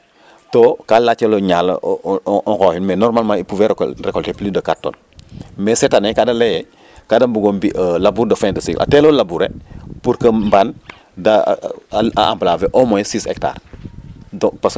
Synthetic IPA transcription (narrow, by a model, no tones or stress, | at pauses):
tokalat͡ʃːɐloɲaːlɐ̰ | ɔŋxɔhinmɛnɔɾmalmãipuvɛɾrɛkɔltɛpilidɐkatːo̰ːn | mɛsetanekadɐlejɛ | kadɐmbuɡombiʔlabuːɾdɐfɛ̃dɐsiɡlʔa̰tɛlolabuːɾḛpuɾkɐmban | da | aa̰mblavɛʔɔmɔjsisɛ̰kta̰ːr | dɔpas